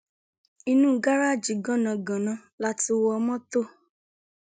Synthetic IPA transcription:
i˧nũ˦˨˦ɡa˦ɾa˦˨d͡ʒi˨ɡɔ̃˦nã˧˨ɡã˨nã˧˦la˦ti˦˧˦wɔ˧mɔ̃˦to˦˨

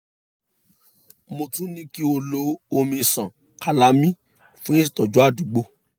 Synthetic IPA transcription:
mo˧tũ˦nĩ˦ki˦o˧lo˦o˧mĩ˧sã˨ | ka˨la˨˦mĩ˦ | fũ˦ĩ˦s̬i˨tɔ˨d͡ʒɔ˨˦a˦˨du˨˦ɡ͡bo˧˦

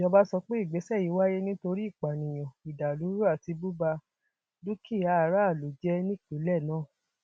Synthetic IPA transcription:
jɔ˧ba˦sɔ˧k͡pe˦i˦˨ɡ͡be˨˦sɛ˦˨ji˨˦wa˦je˦nĩ˦to˧ɾi˦i˦˨k͡pa˨nĩ˨j̃ã˨i˨da˨lu˨˦ɾu˦a˦˨ti˧bu˦ba˧ | du˦kʰi˦˨a˨˦˨ɾa˦˨lo˨d͡ʒɛ˦nĩ˦i˦˨ke˨˦lɛ˦˨nãː˦˨

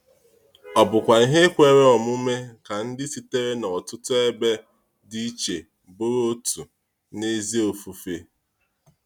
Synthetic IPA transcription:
ɔ˨bʊ˨kʷa˨i˦ɦe˦kʷe˦ɾe˦ɔ˨m˦u˦me˦ka˨n̩˦dɪ˦si˦te˦ɾe˦nɔ˨tʊ˦tʊ˦e˦be˦ | di˦t͡ʃe˨ | bʊ˦ɾo˦tu˨ | ne˦zi˦o˨fu˨fe˨

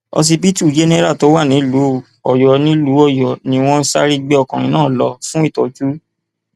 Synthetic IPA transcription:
ɔ̰˧s̬i˧pi˦tu˦˨d͡ʒe˦nɛ˦ɾa˦˨to˨˦wa˦˨nĩ˨˦lu˨˦ | ɔ˨jɔ˨nĩ˦lu˨˦ɔ˦˨jɔ˨nĩ˨˧w̃ɔ̃˦sa̰˦ɾi˧ɡ͡be˧˦ɔ˧˨kã˨ɾĩ˧nãː˦˨lɔ˨˧˦fũ˦i˦˨tɔ˨d͡ʒu˦

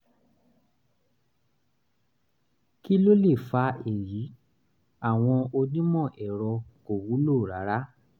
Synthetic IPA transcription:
ki˦lo˦le˦˨fa˧˦e˨ji˨˦ | a˦˨w̃ɔ̃˧o˧nĩ˦mɔ̃˦˨ʔɛ˨ɾɔ˧ko˨wu˨˦lo˦˨ɾa˨˦ɾa˦

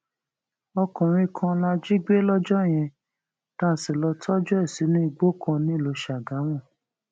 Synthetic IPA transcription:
ɔ˧kɔ̃˨ɾ̃ĩ˧˨kʰã˧la˧d͡ʒi˦ɡ͡be˦lɔ˦d͡ʒɔ˦e˨j̃ɛ̃˧ | tã˦˨si˨lɔ˧tʰɔ˦d͡ʒɔ˦ɛ˦˨si˨˦nĩ˦i˦˧˨ɡ͡bo˦kʰɔ̃˧nĩ˦˨lo˨˦ʃa˨ɡã˨˦w̃ɔ̃˦˨

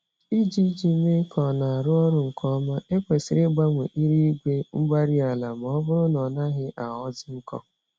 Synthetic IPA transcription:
i˦d͡ʒi˦d͡ʒi˦me˦kʰɔ˨na˨a˨ɾʊ˦ɔ˦ɾʊ˨ŋ̩˨kʰɔ˦ma˦e˦kʷe˨sɪ˨ɾe˦ɡ͡ba˦ŋʷḛ˨ʔi˦ɾi˦i˦ɡʷe˦ŋ͡m̩˦ɡ͡ba˦ɾi˦a˨la˨m˨ɔ˦bʊ˦ɾʊ˦nɔ˨na˦ɦɪ˦ʔa˨ɔ˦zɪ˦ŋ̩˦kɔ̰˦

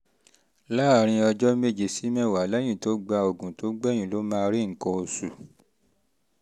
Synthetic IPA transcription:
la˦˨ɾ̃ĩ˧ɔ˧d͡ʒɔ˦me˦˨d͡ʒe˨si˨˦mɛ̃˦˨wa˨˦lɛ̃˦ĩ˦˨to˨˦ɡ͡ba˧o˨ɡũ˨to˨˦ɡ͡bɛ˦˨j̃ĩ˨lo˨˦mãː˦˧ɾi˦ŋ̩˨kɔ̃˧o˧su˨

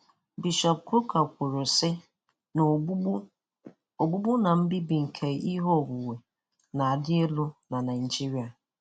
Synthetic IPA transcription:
bi˨ʃɔ˨p̚kɾʊ˦ka˨kʷʊ˨ɾʊ˨sɪ˦˨˦ | o˨ɡ͡bu˦bʊ˦na˨m̩˦bi˦bi˨ŋ̩˨kʰe˨i˦ɦo˦ɔ˨bʊ˨we˨ | na˨a˨dɪ˦e˦lʊ˦na˨na˨n˨d͡ʒi˦ɾi˨a˨

